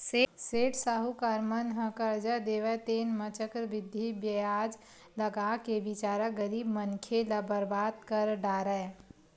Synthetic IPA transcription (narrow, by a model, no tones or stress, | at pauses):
seseːʈsaɦukaɾmənɦə̃kəɾd͡ʒəd̪eːʋət̪eːnmət͡ʃəkɾʋɪd̪ʱibjəjaːd͡ʒ | ləɡakeʋɪt͡ʃaːɾəɡəɾiːbmənkʰeləbəɾbaːt̪kəɾɖaːɾəe